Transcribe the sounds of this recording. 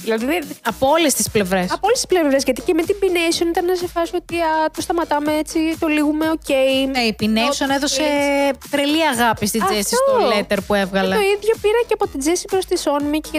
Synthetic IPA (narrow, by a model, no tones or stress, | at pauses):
ðilɐðiðɐpoole̞st̪isple̞vɾe̞sɐoolest̪i̥splevɾe̞zʝɐt̪icemet̪imbinesionit̪ɐnnɐsefɐsot̪iɐt̪ost̪ɐmɐt̪ɐmeet͡sit̪o̞liɣume̞o̞ce̞iipinesoneðo̞se̞t̪ɾeliɐɣɐpist̪id͡zestisotolet̪eɾpue̞vɣɐlɐoiðʝo̞piɾɐceɐpot̪id͡zesipɾost̪iso̞nmi